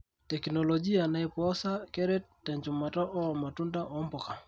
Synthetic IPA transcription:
tɛ˨kno˨lod͡ʒi˦a˨na˨ɛ˨pɔ˦sa˦kɛ˦ɾɛ˦tːɛ˨ɲt͡ʃʊ˨ma˨tɔ˦ʔɔ˦˨ma˨tu˦nda˦ʔɔ˦mbɔ˨ka˨

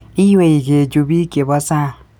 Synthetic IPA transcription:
i˦we˨i˨ɡe˨d͡ʒu˨bi˦ke˨bɔ˦sa˦˨

